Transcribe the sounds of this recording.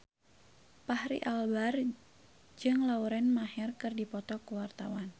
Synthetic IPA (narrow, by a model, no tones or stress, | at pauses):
pahɾḭʔalbar | d͡ʒɨŋlauɾɛnmahɛrkɨrdipɔt̪ɔkuwart̪awan